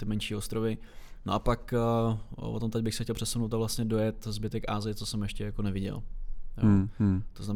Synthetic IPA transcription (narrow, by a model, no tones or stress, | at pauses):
t̪ɪmɛnʃiːost̪ɾovɪno̰ʔapak | pot̪omt̪ɛɟ̚bɪxsɛ̥xcɛlˠpr̥ɛsumnowt̪avlast̪ɲɛdo̞jɛt̪zbɪt̪ɛkʔaːzɪjɪt͡sosɛmjɛʃcɛjakonɛvɪɟɛ̰ljo̰t̪oznam